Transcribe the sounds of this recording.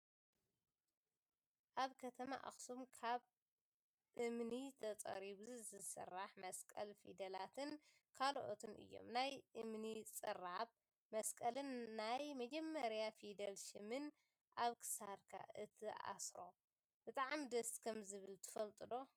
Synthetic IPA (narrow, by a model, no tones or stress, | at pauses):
ʔaβkʰɐt̪ʰɐma̰ʔa̰xsumkʰaβ | ʔɨmnit̪ʰɐt͡sʼɐ̰ɾiβuzɨzɨsɨ̰rːaħmɐskʼɐlfḭd̪ɐlat̪ʰɨn | kʰalʔo̰t̪ʰɨnʔɨ̰jːo̞̰mnajʔɨmnit͡sʼɨrːaβ | mɐskʼɐlɨnːajmɐd͡ʒɐmːɐɾjafid̪ɐlʃɨmɨn | ʔaβkʰɨ̥saɾkʰa̰ʔɨt̪ʰɨʔa̰sɾo̞̰ | b̥ɨt̪ʼaʕmid̪ɐskʰɐmzɨβɨlt̪ʰɨ̥fɐlt̪ʼɨd̪o̞